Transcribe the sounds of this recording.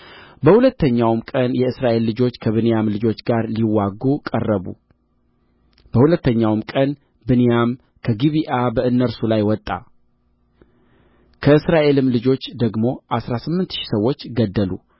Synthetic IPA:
bəhulət̪ʰːəɲːawmkʼənjɛɨsɾaʔe̞lːɨd͡ʒo̞t͡ʃːkʰəβɨnejamlɨd͡ʒo̞t͡ʃːɡaɾliwːaɡukʼərːəβṵ | b̥əhulət̪ːəɲːawmkʼən | bɨnejam | kʰəɡiβiʔabəɨnːəɾsulajwɔt̪ʼːa̰ | kʰəɨsɾaʔe̞lɨmlɨd͡ʒo̞t͡ʃːd̪əɡmo̞ʔasɾasɨmːɨnt̪ʃi̥səwːo̞t͡ʃːɡəd̪ːəlu

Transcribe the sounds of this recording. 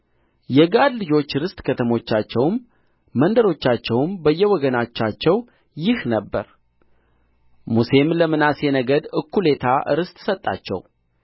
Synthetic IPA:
jɛɡad̪lɨd͡ʒo̞t͡ʃːɨɾɨst̪ʼkʰət̪ʰəmo̞t͡ʃːat͡ʃːɛwmː | ənd̪əɾo̞t͡ʃːat͡ʃːɛwmbəjːɛwɔɡənat͡ʃːat͡ʃːɛw | jɪhnəbːəɾ | muse̞mləmɨnase̞nəɡəd̪ɨkːule̞t̪ʰaʔɨ̰ɾɨst̪ʼsət̪ʼːa̰t͡ʃːɛ̰w

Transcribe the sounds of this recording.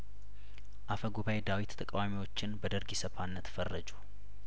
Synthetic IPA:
ʔafəɡuβajed̪awit̪t̪ʰʼəkʼawamiwo̞t͡ʃːɪnbəd̪əɾɡisəfanːət̪fərːəd͡ʒu

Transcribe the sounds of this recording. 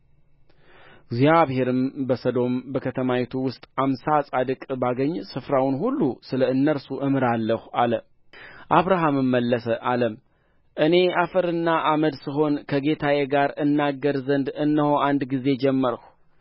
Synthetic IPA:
ɡzjaβhe̞ɾɨmbəsəd̪o̞mbəkʰət̪ʰəmawet̪ʰuwʊst̪ʼamsasʼad̪ɨkʼbaɡəɲːsɨfɾawʊnhulːusɨləɨnːəɾsuʔɨmɨɾalːəhʔalə | ʔaβɾaɦamɨmːəlːəsəʔaləm | ʔɨne̞afəɾɨnːaʔaməd̪sɨɦo̞nkʰəɡe̞t̪ʰajeɡaɾɨnːaɡːəɾzənd̪ɨnːəho̞ʔand̪ɡize̞d͡ʒɛmːəɾəh

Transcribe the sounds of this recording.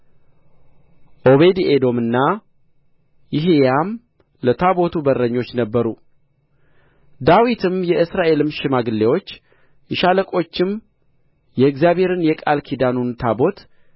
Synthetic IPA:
ʔo̞βe̞d̪ed̪o̞mɨnːa | jɪɦejam | lət̪ʰabo̞t̪ʰubərːəɲːo̞t͡ʃːnəbːəɾu | d̪awit̪ʰɨmjɛɨsɾaʔe̞lɨmʃɪmaɡɨlːewo̞t͡ʃː | ɪʃaləkʼo̞t͡ʃːɪm | jɛɨkzjaβhe̞ɾɨnjɛkʼalkʰid̪anunt̪ʰabo̞t̪

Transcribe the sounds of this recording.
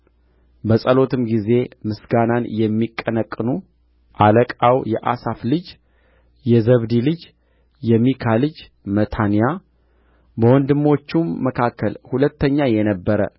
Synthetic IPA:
bəsʼəlo̞t̪ʰɨmɡize̞mɨsɡananjɛmːikʼːənəkʼːɨnu | ʔaləkʼawjɛʔasaflɨd͡ʒ | jɛzəβd̪ilɨd͡ʒ | jɛmːikʰalɨd͡ʒ | mət̪ʰanija | bəwɔnd̪ɨmːo̞t͡ʃːumːəkʰakːəlhulət̪ʰːəɲːajɛnəbːəɾə̰

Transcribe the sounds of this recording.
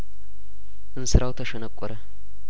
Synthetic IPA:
ʔɨnsɨɾawt̪ʰəʃɐnəkʷʼːɔɾə

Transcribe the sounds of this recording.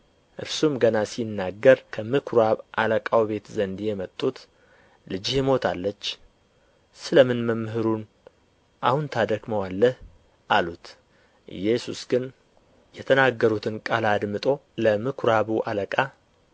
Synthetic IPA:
ʔɨɾsumɡənasinːaɡːəɾkʰəmɨkʰɾaβʔaləkʼawbe̞t̪zənd̪jɛmət̪ʼːut̪ | lɨd͡ʒɪhmo̞t̪ʰalːət͡ʃː | sɨləmɨnməmːɦɨɾun | ʔahunt̪ʰad̪əɡməwalːəh | ʔalut̪ | ʔɨ̰jɛsusɡɨn | jɛt̪ʰənaɡːəɾut̪ʰɨnkʼalad̪mɨt̪ʼo̞ləmɨkʰɾaβuʔaləkʼa

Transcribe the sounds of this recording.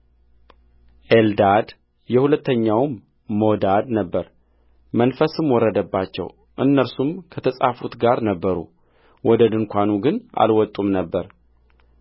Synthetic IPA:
ʔeld̪ad̪ | jɛhulət̪ːəɲːawmː | od̪ad̪nəbːəɾ | mənfəsɨmwɔrːəd̪əbːat͡ʃːɛ̰w | ʔɨnːəɾsumkʰət̪ʰəsʼafut̪ɡaɾnəbːəɾṵ | wɔd̪əd̪ɨŋkʷanuɡɨna̰lwɔt̪ʼːumnəbːəɾ

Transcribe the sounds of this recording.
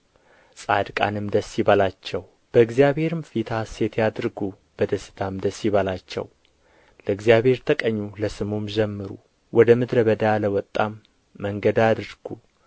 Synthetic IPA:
sʼad̪kʼa̰nɨmd̪əsːiβalat͡ʃːɛw | b̥əɨɡzijaβhe̞ɾɨmfit̪ʰase̞t̪ʰjad̪ɾɡu | b̥əd̪əsɨ̥t̪ʰamd̪əsːiβalat͡ʃːɛ̰w | ləɨɡzijaβhe̞ɾt̪ʰəkʼəɲːuləsɨmumd͡ʒɛmːɨɾṵ | wʔɔd̪əmɨd̪ɾəβəd̪aləwɔt̪ʼːamː | əŋɡəd̪ad̪ɾɡ̥u

